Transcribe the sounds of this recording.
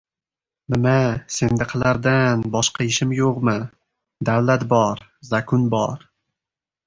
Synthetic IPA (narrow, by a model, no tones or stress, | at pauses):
nɪmase̞nd̪aqʰlˠaɾd̪anbɒʃqʰɑɪʃɪmjoqmɨ | d̪awlat̪bɒɾzakʰʊnbɒɾ